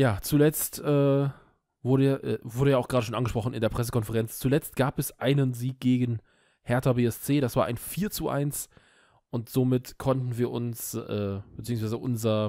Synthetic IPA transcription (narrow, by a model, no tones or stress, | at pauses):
jaːt͡sulɛt͡stʔɛː | vʊɐɾəʔɛːvʊɐɾəjaːaʊxɡ̥ʁaːɾəʃoːnanɡəʃpʁ̥ɔχn̩ɪ̰ndeːɐpʁ̥ɛs̬ə̥kɔnfəʁɛnt͡st͡sulɛt͡st̚ɡ̥aːpɛsʔaɪnənziːk̚ɡ̥eːɡən̩ | hɛɐtabeːɛst͡seːɾasv̥aːɐʔa̰ɪnfiːɐt͡suʔa̰ɪns | ʔʊntz̥oːmɪtkʰɔntn̩viːɐʔʊnsʔɛːb̥ət͡siːʊŋsv̥aɪzəʔʊnzɐ